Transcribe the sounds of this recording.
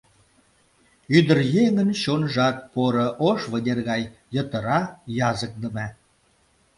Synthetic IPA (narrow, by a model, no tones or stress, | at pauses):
yd̪ə̆rjeŋənɕonʒɑk̚poɾɤ̆ʔoʃvə̆nʲerɣɑj | jə̆t̪ə̆ɾɑjɑzə̆k̚d̪ə̆mæ